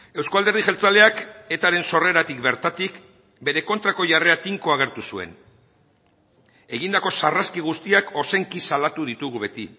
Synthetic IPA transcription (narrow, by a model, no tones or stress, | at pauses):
e̞wskoald̪e̞ɾð̞iʝe̞lt͡sale̞ake̞t̪aɾe̞nso̞re̞ɾat̪ikbe̞ɾt̪at̪ik | be̞ɾe̞ko̞nt̪ɾako̞ʝare̞at̪iŋko̞aɣ̞e̞ɾt̪usue̞̰n | e̞ɣ̞ind̪ako̞saraskiɣ̞ust̪iako̞se̞ŋkisalat̪uðit̪uɣuβe̞t̪i